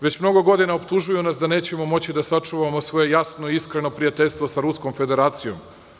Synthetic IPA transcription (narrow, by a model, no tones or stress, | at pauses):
ʋe̞t͡ɕmno̞ɡo̞ɡo̞d̪inaopt̪uʒujunasd̪ane̞ːt͡ɕe̞mo̞mo̞t͡ɕid̪asat͡ʂuʋamo̞sʋo̞je̞jasnoiiskɾe̞no̞pɾijat̪e̞ʎʲst̪ʋo̞saɾusko̞mfe̞d̪e̞ɾaːt̪sijo̞m